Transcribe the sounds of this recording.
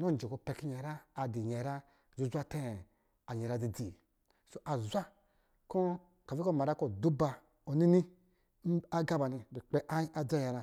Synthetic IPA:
nɔ˦n̩˨d͡ʒe˨ko˧pɛ˨ki˦ɲɛ˨ɾaː˦˨di˨ɲɛ˨ɾa˦ | zu˦zʷa˦te˦˨ | a˨ɲɛ˨ɾa˦˨d͡zi˨d͡zi˨ | so˨ʔa˨zʷa˦ | kɔ˦ | ka˨vi˦kɔ˦˨ma˨ɾa˦kɔ˦˨du˦ba˨ | o˨ni˦ni˦ | a˦ɡa˦ba˨ni˨di˨k͡pɛ˦ʔa˦i˦a˨d͡za˦˨ja˨ɾa˧

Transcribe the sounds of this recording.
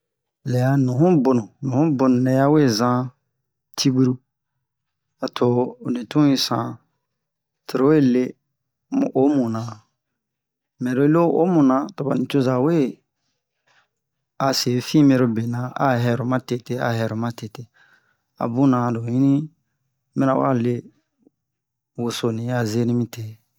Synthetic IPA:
lɛ˨a˨nũ˨ɦũ˦bo˨nũ˨nũ˨hũ˦bo˨nũ˨nɛ̃˧˦ja˦we˦˨zã˦ | tʰi˦bu˦ɾu˦ | a˨tʰo˨nĩ˨tũ˦ĩ˧sã̰˨ | tʰo˨ɾo˦we˦˨le˦ | m˨ʔo˦mũ˨nã˨ | mɛ̃˨do˨˦lo˦o̰˦mũ˨nã˨to˨ba˨nĩ˨t͡ʃo˦za˨we˦ | a˨se˨˦fĩ˦mẽ˧ɾo˧be˨nã˨a̰˨ɦɛ˨ɾo˨mã˦te˦te˦a̰˨ɦɛ˨ɾo˨mã˦te˨te˨ | a̰˨bũ˦nã˨do˨jĩ˦nĩ˦ | mɛ̃˦nã˨wa̰˦˨le˦ | wo˨so˨nĩ˨a˨ze˦nĩ˦mĩ˦te˨

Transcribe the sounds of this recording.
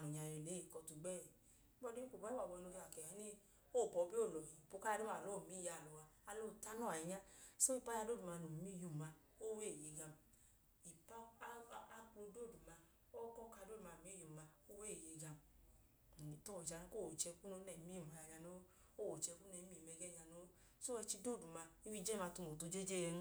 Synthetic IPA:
a˨i˨ɲa˨jɛ˨le˨˦e˨kɔ˧tu˧ɡ͡bɛ˦˨˦ | bɔ˦di˦i˦ko˨ba˦i˦a˨bɔ˧no˧i˧a˨kɛ˨a˦ni˦ | o˦˨pɔ˨˧bi˦o˦˨lɔ˨hi˨po˧˦ka˦di˦a˨lo˦˨mi˨˦ja˧˨lɔ˨wa˧a˧lo˦˨ta˦nɔ˦˨a˨i˧ɲa˦so˦i˨pa˦ja˧do˦˨du˨ma˧˨no˨mi˦ju˧ma˧ | o˦we˦˨je˨ɡa˧m | i˨pa˦a˧klo˧do˦˨du˨ma˧ | o˦kɔ˦ka˧˦do˦˨u˨ma˧˨mi˦jo˨ma˧o˦we˦e˨je˧ɡa˧m˨ | i˨to˦o˨d͡ʒa˧n˧˦ko˦˨o˨t͡ʃɛ˧ku˦no˧˦nɛ˨˦mi˦˨ma˨ja˧˨ɲa˧no˧˦ | o˦˨wo˨t͡ʃɛ˧ku˦nɛ˨˦mi˦˨mɛ˧ɡɛ˦˨ɲa˧no˧˦ | so˦ɛ˧t͡ʃi˧do˦˨du˨ma˧i˦wi˦˧˦d͡ʒɛ˦ma˧tu˧mo˨tu˧d͡ʒe˦d͡ʒe˦˧n˦

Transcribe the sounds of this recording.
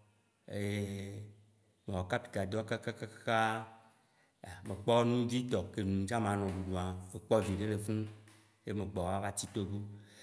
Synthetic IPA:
e˨e˦ | me˨wɔ˨ka˦pi̥˨ka˨d̪ɔ˦ka˦ka˦ka˦ka˦ka˦ | a˨mẽ˨k͡pɔ˦nũ˦d͡ʑi˦t̪ɔ˨ke˨nũ˨˦d͡ʒã˦mã˨nɔ̃˨ɖu˨ɖu˨a˨ve˨k͡pɔ˦vi˨ɖe˦le˨fũ˦ | je˦me˨ɡ͡bɔ˨wa˦va˦t͡ɕi˦t̪o˦bo˦

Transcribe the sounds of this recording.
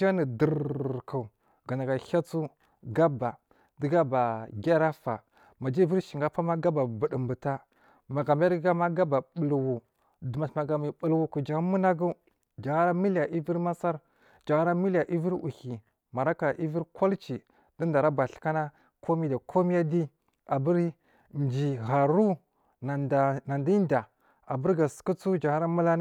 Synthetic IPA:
a˦ni˨də˨ɾka˨ | ɡa˨na˨ɡa˨ha˦t͡su˦ | ɡa˦ba˨ | di˦ɡa˦ba˨ɡʲa˦ɾa˦fa˨ | ma˨d͡ʒi˦i˦vi˦ɾʃi˨ŋɡa˦pa˦ma˦ɡa˦ba˨bu˨ɗə˨mbu˨ta˦ | ma˨ɡa˨m˦a˦ɡa˦ma˦ɡa˦ba˨ɓu˨lwu˨ | du˨ma˨ma˨ɡa˨mi˨bu˨lwu˦ku˨d͡ʒa˨˦mu˦na˦ɡu˦ | d͡ʒa˨ɣa˦ɾa˦mi˦lja˨ʔi˦vi˦ɾma˦sa˦ɾ | d͡ʒa˨ɣa˦ɾa˦mi˦la˨ʔi˦vi˦ɾu˨ki˨ | ma˨ɾa˦ka˨ʔi˦vi˦ɾkʰo˦lt͡ʃi˨ | d̥i˦nda˨ɾa˦ba˨ɬi̥˨ka˦na˦ | kʰo˦mi˦da˨kʰo˦mi˦ja˦di˦ | a˨bə˦ɾ | nd͡ʒi˨ɣa˨ɾu˦ | n˨na˨ndi˦nda˨ | a˨bu˦ɾɡa˨sə̥˨ku˦t͡su˦d͡ʒa˨ŋa˦ɾa˦mu˦la˦n˦

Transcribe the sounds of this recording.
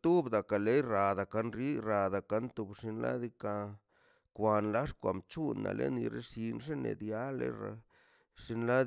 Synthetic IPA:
t̪u˦bd̪a˨ka˨le˦jɾa˨d̪a˨ka˧nɾi˦ɾa˨d̪a˨ka˧˦nt̪u˧bʂi˧nla̰˦d̪i˧ka˧ | kʷa˧nla˦ʂkʷa˨mt͡ʃu˦nːa̰˨lʔḛ˦ni˧ɾe˦ʂi˧nʐe˦nḛ˨d̪ja˦lḛ˦ɾa˧ | ʂi˧nla˦d̪

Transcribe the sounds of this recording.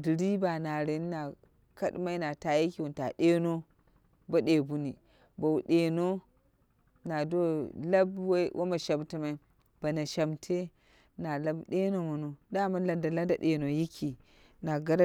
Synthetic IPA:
di˨ɾi˦ba˨na˨ɾe˦n˦na˨ | ka˦ɗma˦i˦na˨ta˨ji˦ki˦˨wu˨n˨ta̰˨ɗe˦no˦ | ba˦ɗe˨bu˦ni˨ | ba˨wu˨ɗe˨no˦ | na˨do˦la˦bwwʔa̰˦ma˨ʃa˨bti˦ma˦i˦ | b̥a˨na˨ʃa˨mtʰe˦ | na˨la˦bɗe˦no˨mo˨no˨da˦ma˦la˨nda˨la˦nda˨ɗe˨no˨ji˦kʰi˨ | na˨ɡa˦ɾ

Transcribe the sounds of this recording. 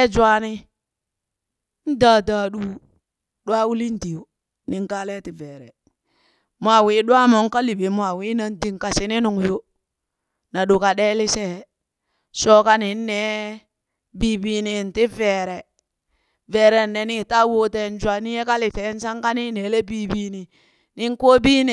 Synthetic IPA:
ɛ˦d͡ʒwa˦ni˦ | n̩˦da˨da˨ɗu˦ | ɗwa˦wu˦li˦n˦ti˨o˨ | ni˨ŋ˦ka˦lɛ˦ti˨vɛ˨ɾɛ̰˨ | mʷ˨a˨wi˦ɗwa˦mo˨˦ŋ˦ka˦li˨be˨m˦a˨wi˦na˨n˦di˦ŋ˨ka˨si˦ni˦nu˨ŋ˨jo˦ | na˨ɗu˨ka˨ɗe˦lɪ˦sɛ˦ | so˦ka˦ni˨n˦nɛ˨˦ | bi˦biː˦ni˨n˨ti˦vɛ˨ɾɛ˨ | vɛː˨ɾɛ˨nːɛ˨˦ni˦˨ta˦wo˦te˦n˦d͡ʒwa˨ni˦je˦ka˦lɪ˨fɛ˨˦n˦sa˦ŋka˦ni˦ne˨˦le˦bi˦bi˦ni˨ | ni˦ŋ˦ko˦bi˦ni˨

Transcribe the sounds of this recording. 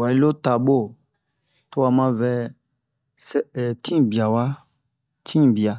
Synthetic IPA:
wa˨i˦lo˦ta˨ɓo˦˨ | to˦wa˨mã˦vɛ˦ | sɛ˦˨tʰĩ˦˨bi˨a˨wa˦ | tʰĩ˦˨bi˨a˨

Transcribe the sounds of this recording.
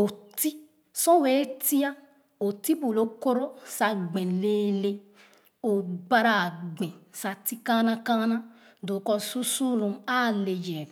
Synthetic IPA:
o˨ti˦ | sɔ̃˦we˨˦ti˦a˦ | o˨ti˦bu˨lo˨˦ko˦ɾo˦sa˧ɡ͡bɛ̃˨leː˨˦le˧ | o˨ɡ͡ba˧ɾa˧˨ɡ͡bɛ̃˨sa˧ti˦kã˦nã˦kã˦nã˦ | do˨kɔ˧su˦su˦lũ˧a˦˨le˨jɛ˨

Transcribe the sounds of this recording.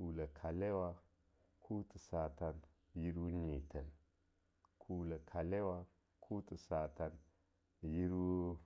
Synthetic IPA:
u˨la˨kʰa˨le˦wa˦ | kʰu˦tu˨sa˨ta˨n | ji˦ɾu˦ɲi˨tə˨n | kʰu˨la˨kʰa˨le˦wa˦ | kʰu˦tu˨sa˨ta˨n | ji˦ɾu˦

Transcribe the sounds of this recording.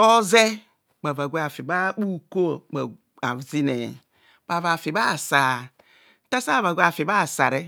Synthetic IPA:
o˦ze˦ | k͡pa˨va˨ɡʷe˦a˨fi˨ba˦k͡pu˦˨ko˦˨k͡pa˨ | a˨vzi˦ne˨ | ba˨va˨fi˨ba˦˨sa˨˦ | ta˦sa˦˨va˨ɡʷa˨fi˨ba˦˨sa˨ɾe˦

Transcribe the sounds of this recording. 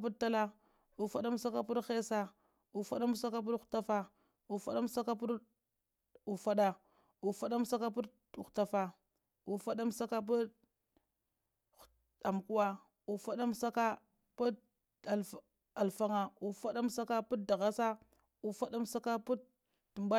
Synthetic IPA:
pu˦tːa˦la˦ | u˨fa˦ɗa˦m˦sa˦ka˦pu˦ɾxe˦sa˦ | u˨fa˦ɗa˦m˦sa˦ka˦p̬u˦ɾxta˦fa˨ | u˨fa̰˦ɗa˦m˦sa˦ka˦pu˦ɾ | u˨fa˦ɗa˨ | u˨fa˦ɗa˦m˦sa˦ka˦p̬u˦˨ | xta˨fa˨ | u˨fa˦ɗa˦msa˦ka˦p̬u˦ | a˨m˨ku˦wa˦ | u˨fa˦ɗa˦msa˦ka˦ | pu˦ | a˨ | a˨lfa˦ŋa˨u˨fa˦ɗa˦m˦sa˦ka˦pu˦da˨ɣa˦sa˦ | u˨fa˦ɗa˦m˦sa˦ka˦pu˦ | tu˨mba˦

